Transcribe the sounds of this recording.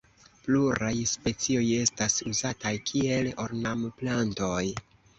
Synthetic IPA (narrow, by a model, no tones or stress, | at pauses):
pluɾajspe̞t͡sio̞je̞stasuzatajkʰie̞loɾnamplanto̞j